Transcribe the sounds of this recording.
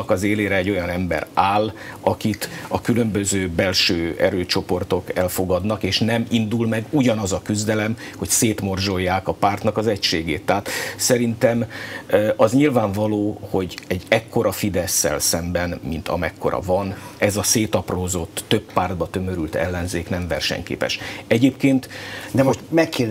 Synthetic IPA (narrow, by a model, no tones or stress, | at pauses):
kɒzeːleːɾɛːɟːojɒnɛmbɛ̰ɾaːlɒkit̪ɒkylø̞mbøzøːbɛlʃøːɛ̰ɾøːt͡ʃo̞po̞rt̪o̞kɛlfo̞ɡɒd̪nɒkeːʃnɛmind̪ulmɛɡuɟɒnɒzɒkyzd̪ɛlɛm | ho̞cseːt̪mo̞rʒo̞jːaːkɒpaːrt̪nɒkɒzɛcʃeːɡeːt̪ːaːt̪sɛɾint̪ɛm | ɒzɲilvaːɱvɒloːho̞ɟɛɟːɛkːo̞ɾʔɒfid̪ɛsːɛ̰lsɛmbɛnmint̪ɒ̰mɛkːo̞̰ɾɒ̰vɒnɛzɒseːt̪ɒproːzot̪ːøpːaːrd̪̚bɒt̪ømø̞ɾylt̪ɛ̰lːɛnzeːknɛɱvɛ̰rʃɛ̰ɲkḛːpɛ̰ʃɛɟeːpkeːnt̪d̪ɛmoʃmɛkːe